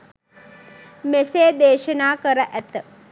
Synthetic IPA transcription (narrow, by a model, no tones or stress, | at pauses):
meseːd̪eːʃənaːkəɾəʔæt̪ə